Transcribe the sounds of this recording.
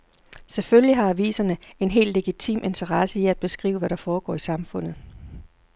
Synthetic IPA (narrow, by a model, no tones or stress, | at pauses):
sefølliɦɑ̈æʋḭːsɐnəe̝nɦe̝̰ːld̥le̝ɡ̥it͡sʰḭːmʔe̝nt͡sʰɐʁɑsəiæd̥̚b̥e̝sɡ̥ʁḭːʊəʋæɾ̥ɑ̈fɒːɡ̥ɒ̰ːisɑ̈mfɔ̽n̰ð̩ˠ